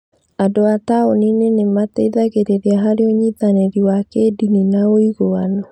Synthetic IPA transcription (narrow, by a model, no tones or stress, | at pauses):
adoataoninenemateiðaɣeɾeɾeaɦaɾeɔɲitaneɾiwakedininaoiɣoanɔ